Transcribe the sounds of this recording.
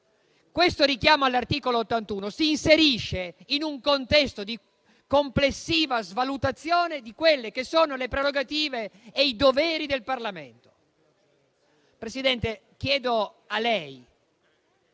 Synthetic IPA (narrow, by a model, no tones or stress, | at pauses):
kwest̪oɾikjaːmoalːart̪iːkoloːt̪ːant̪uːnosiːnseɾiʃːeinuŋkont̪ɛst̪od̪i | komplesːiːvazvalut̪at̪sːjoːned̪ikwelːekesːoːnolepɾeroɡat̪iːveːid̪oveːɾid̪elparlamḛnt̪o̥ | pɾesid̪ɛnt̪ek̟jɛːd̪o | alɛj